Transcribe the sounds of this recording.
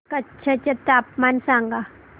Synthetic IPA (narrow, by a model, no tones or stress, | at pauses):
kɐtːʃʰat͡ʃɐt̪aːpmaːnsaːŋɡa